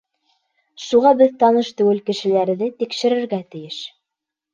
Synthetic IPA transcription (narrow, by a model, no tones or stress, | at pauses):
ʃuʁɑbɘðt̪ɑnɤʃt̪ɘ̆wɘlkɘ̆ʃɘ̆læɾðɘt̪ikʃɘ̆ɾɘ̆ɾɡæt̪ɘ̆jɘʃ